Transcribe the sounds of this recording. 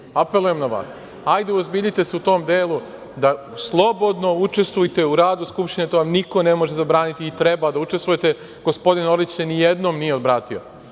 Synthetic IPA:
ape̞lˠujemnaʋa̰ːs | ajd̪euozbiːʎit̪e̞seut̪o̞ːmd̪eːlˠu | d̪a | slˠo̞bo̞d̪no̞ut͡ʃe̞st̪ʋujt̪e̞uɾaːd̪uskupʃt̪inet̪oʋamniko̞ne̞mo̞ʒezabɾaːnit̪iːt̪ɾe̞bad̪aut͡ʃest̪ʋuje̞t̪e̞ | ɡ̥o̞spo̞d̪ino̞ɾit͡ɕsenijed̪no̞ːmnijeod̪bɾaːt̪io̞̰

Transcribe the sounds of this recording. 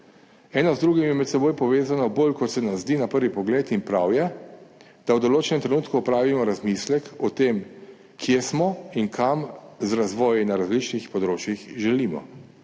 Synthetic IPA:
ɛːnɔzd̪ɾuːɡimjɛmɛt̪sɛboːjpɔʋeːzanɔboːlkɔt̪sɛnazzd̪iːnapəɾʋipɔɡleːt̪inpɾawjɛ | d̪̥awd̪ɔloːt͡ʃɛnɛmt̪ɾɛnuːt̪kuɔpɾaːʋimɔɾazmislɛkɔt̪eːm | kʰjesmɔiŋkʰamzɾazʋɔːjinaɾazlit͡ʃnixpɔd̪ɾoːt͡ʃjixʒɛlimɔ̰

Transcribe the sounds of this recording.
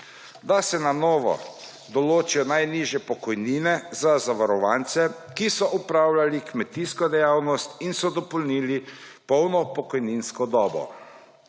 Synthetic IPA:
d̪asɛnanɔːʋɔ̰ | d̪ɔloːt͡ʃijɔnajniʒjɛpɔkɔjniːnɛzazaʋaɾɔʋant̪sɛ | kisɔʔupɾawlalikmɛt̪iskɔd̪ɛjaːwnɔst̪insɔd̪ɔpɔlniːli | pɔwnɔpɔkɔjninskɔd̪ɔːbɔ̰

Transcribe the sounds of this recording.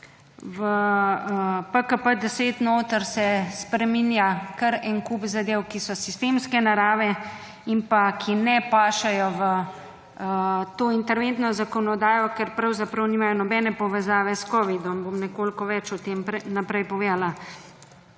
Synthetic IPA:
ʋə | pəkəpəd̪ɛseːt̪noːt̪əɾsɛspɾɛminjakəɾɛnkupzad̪eːwkisɔsist̪emskɛnaɾaːʋɛ | impakʰinɛpaːʃajɔʋə | t̪oːint̪ɛɾʋent̪nɔzakɔnɔd̪aːjɔkɛɾpɾɐwzapɾɐwniːmajɔnɔbɛːnɛpɔʋɛzaːʋɛskɔːʋid̪ɔmbomnɛkoːlkɔʋɛt͡ʃut̪eːmpɾnapɾɛjpɔʋeːd̪ala

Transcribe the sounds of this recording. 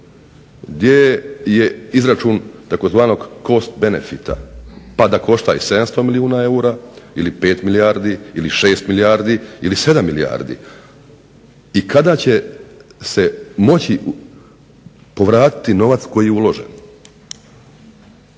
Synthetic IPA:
ɡd̪jeje̞izɾat͡ʃuːnt̪ako̞zʋaːno̞ɡko̞st̪̚be̞nḛfit̪a̰pad̪ako̞ʃt̪aise̞d̪amst̪o̞miliuːnae̞uɾaːilipe̞ːt̪milijaːɾd̪iiliʃe̞ːst̪milijaːɾd̪iilise̞d̪amːilija̰ːɾd̪ḭ | ikad̪aːt͡ɕe̞se̞mo̞t͡ɕi | po̞ʋɾaːt̪i̥t̪ino̞ʋat̪sko̞jijeulˠo̞ʒḛn

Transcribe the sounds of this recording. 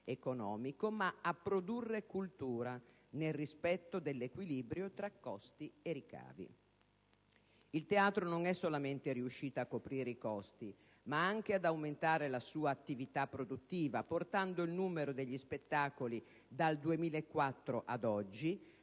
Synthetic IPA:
ekonɔːmikomaapːɾod̪urːekult̪uːɾa | nelrispɛt̪ːod̪elːekwiliːbɾjot̪ɾakːɔst̪ieɾika̰ːvḭ | ilt̪eaːt̪ɾonoŋɛsːolament̪eɾiuʃːiːt̪oakːopɾiːɾeikɔst̪i | maaŋk̟ead̪awment̪aːɾelasuːaːt̪ːivit̪apːɾod̪ut̪ːiːvaport̪and̪oilnuːmeɾod̪eʎːispet̪ːaːkoli | d̪ald̪uemiːlaekːwat̪ːɾoʔad̪ɔd͡ʒːi

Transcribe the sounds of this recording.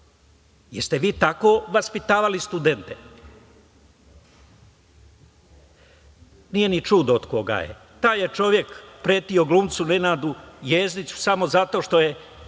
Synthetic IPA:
jest̪e̞ʋiːt̪ako̞ːʋaspit̪aːʋalist̪ud̪e̞nt̪e | niːje̞nit͡ʃud̪ood̪ko̞ɡa̰jḛ | t̪aːjet͡ʃo̞ʋje̞kpɾeːt̪io̞ɡluːmt̪sunenaːd̪ujeːznit͡ɕu̥samo̞zat̪o̞ʃt̪o̞je

